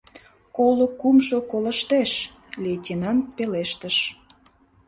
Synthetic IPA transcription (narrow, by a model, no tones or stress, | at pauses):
kolokumʃokoləʃt̪eʃ | lʲetʲinɑnt̪̚peleʃt̪əʃ